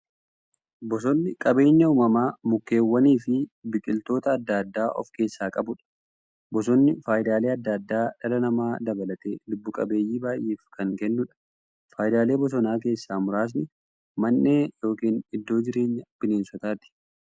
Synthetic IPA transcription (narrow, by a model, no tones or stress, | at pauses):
bɔs̬ɔnːɪkʼɐbe̞ːɲːɐuːmɐmaːmʊkːe̞ːwːɐniːfɪbɪkʼɪlt̪o̞ːt̪ɐːd̪ːaːd̪ːaːʔɔ̰fke̞ːsːaːkʼɐbʊᶑɐ̥ | bɔs̬ɔnːɪfaːjd̪aːle̞ːɐd̪ːaːd̪ːaːᶑɐlɐnɐmaːd̪ɐbɐlɐt̪e̞ːlʊbːʊkʼɐbe̞ːjːiːbaːjʔeːfkɐŋkɛnːʊᶑɐ̥ | faːjd̪aːle̞ːbɔs̬ɔnaːk̬e̞ːsːaːmʊɾaːs̬nɪ | mɐnːeːjo̞ːkiːnɪd̪ːo̞ːd͡ʒɪɾe̞ːɲːɐb̥ɪneːnsɔt̪aːt̪ɪ̥